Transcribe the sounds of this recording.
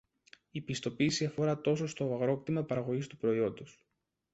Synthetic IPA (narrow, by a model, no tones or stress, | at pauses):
ipist̪o̞piːsiɐfo̞ɾɐt̪o̞so̞st̪o̞ɐɣɾo̞pt̪imɐpɐɾɐɣo̞ʝist̪upɾo̞io̞nd̪os